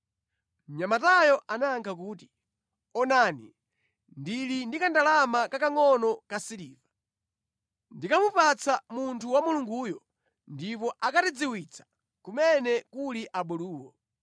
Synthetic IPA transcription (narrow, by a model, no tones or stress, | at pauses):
m̩ɲamatajɔʔanaːŋkʰak̬uːti̥ | ɔnaːnḭ | ndilindikandalamakakaŋɔnɔkasiliːva | ndikamupat͡samuntʰuwamuluŋɡuːjɔ | ndipɔʔakatid͡ziwit͡sʰḁ | kumɛnɛkuliʔaɓɔluːwɔ